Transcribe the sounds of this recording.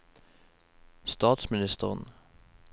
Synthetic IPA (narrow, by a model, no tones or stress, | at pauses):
st̪ɑːt̪smɪnɪst̪əʁən